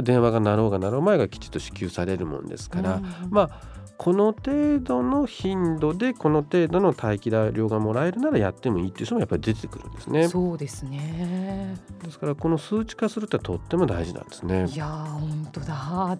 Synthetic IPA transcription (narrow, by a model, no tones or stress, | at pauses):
d̪ẽ̞ɰ̃βaɡanaɾo̞ːɡanaɾo̞ːmae̞ɡakʲi̥t͡ɕi̥t̪ːoɕi̥kʲɨːsaɾe̞ɾɯ̟mõ̰nd̪e̞̰sɨ̥kaɾama | kʰo̞no̞t̪e̞ːd̪o̞no̞çĩnd̪o̞d̪e̞ko̞no̞t̪e̞ːd̪o̞no̞t̪ʰaikʲid̪aɾʲo̞ːɡamo̞ɾae̞ɾɯ̟naɾajat̪ːe̞mo̞iːt̪oe̞iɯ̟ɕt̪omojapːaɾʲid̪e̞t̪ʰekɯ̟ɾɯ̟̃nd̪e̞sɨne̞soːd̪esɨne | d̪e̞sɨ̥kaɾako̞no̞sɨːt͡ɕi̥kasɨɾɯ̟t̪ːeat̪o̞t̪ːe̞mo̞d̪aiʑinã̰nd̪e̞sɨnejahõnt̪od̪a